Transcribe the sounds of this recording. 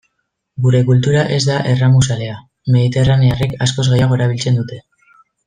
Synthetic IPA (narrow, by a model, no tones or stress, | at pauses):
ɡuɾe̞kult̪uɾaʔe̞zd̪aʔe̞ramusale̞a | me̞ð̞it̪e̞rane̞arekasko̞zɣe̞jaɣ̞o̞eɾaβ̞ilt͡se̞nd̪ut̪e̞